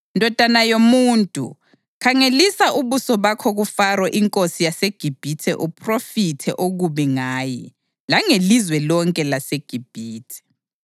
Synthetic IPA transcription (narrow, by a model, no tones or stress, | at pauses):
ndʱɔd̥ʱanajomuːntʼṵ | kʰaŋelisaʔuβusɔβakʰɔɣufarɔʔiŋkʼosijaseɡ̥ʱib̥ʱitʰɛʔupʰʼrofitʰɛ̰ʔoɣuβiŋaːji | laŋelizwɛlɔŋkʼɛlaseɡ̥ʱib̥ʱiːtʰɛ̥